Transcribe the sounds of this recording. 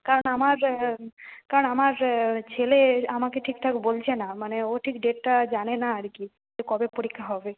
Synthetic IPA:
kaɾonamaɾ | kaɾonamaɾt͡ɕʰeleamakeʈʰikʈʰakebolt͡ɕʰenamaneoʈʰikɖeʈːad͡ʑanenaaɾki | sekɔbepoɾikʰːaɦɔbe

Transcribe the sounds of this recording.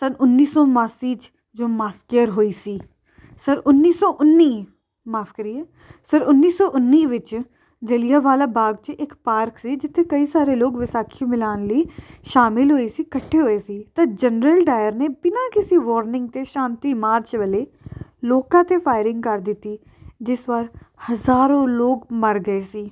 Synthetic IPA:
sənʊnːiːsɔːmaːsiːt͡ʃ | d͡ʒoːmaːskjəɾɦoːiːsiː | səɾʊnːiːsɔːʔʊnːiː | maːpʰkəɾiːɛː | səɾʊnːiːsɔːʔʊnːiːʋɪt͡ʃ | d͡ʒəlɪjaːʋaːlaːbaːɡ̚t͡ʃʔɪkpaːɾksiːd͡ʒɪt̪ʰːeːkəiːsaːɾeːloːkʋɪsaːkʰiõmɪlaːnləiːʃaːmɪlɦoːiːsiːkəʈʰːeːɦoːeːsiːt̪ãːd͡ʒənɾəlɖaːjəɾneːpɪnãːkɪsiːʋɔːɾnɪ̃ŋɡ̚t̪eːʃãːnt̪iːmaːɾt͡ʃʋəleː | loːkãːt̪eːpʰaːɪɾɪ̃ŋɡkəɾd̪ɪt̪ːiː | d͡ʒɪsʋaːɾhəzaːɾõːloːɡməɾɡəeːsiː

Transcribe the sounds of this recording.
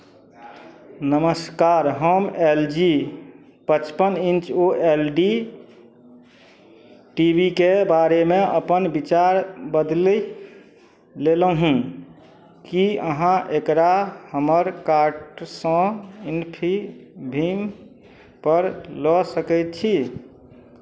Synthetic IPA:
nəməskaɾɦomeld͡ʒi | pət͡ʃpənint͡ʃoʔelɖi | ʈibʱikebaɾemeəpənbit͡ʃaɾbəd̪l | leləɦũ | kiəɦãʔekɾahəməɾkaɾʈsə̃inpʰibʱim | pəɾlɔsəkɛjt̪̚t͡ʃʰi

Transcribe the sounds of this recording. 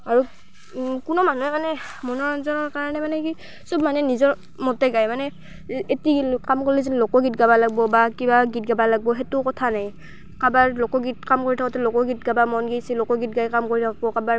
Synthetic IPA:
aɹu | kʊnɔmanuɛmanɛ | mɔnɔɹɔnzɔnɔɹkaɹanɛmanɛki | sɔbmanɛnizɔɹ | mɔtɛɡajmanɛ | etilkamkolizinlokɔɡitɡabalaɡ̚bɔbakibaɡit̚ɡabalaɡ̚bɔɦetʊkɔtʰanaj | kabaɹlokɔɡit̚kamkoɹitʰakɔtɛlokɔɡit̚ɡabamɔnɡijsilokɔɡitɡajkamkoɹitʰakɔkabaɹ

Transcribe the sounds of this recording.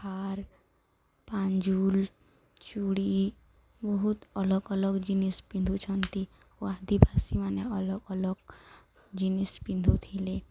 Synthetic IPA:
haɾ | paɲd͡ʒul | t͡ʃuɽi | bɔɦut̪ɔlɔɡɔlɔɡd͡ʒinispĩnd̪ʱut͡ʃʰɔnt̪i | ad̪ibʱasimaneɔlɔɡɔlɔɡ | d͡ʒinispind̪ʱut̪ʰile

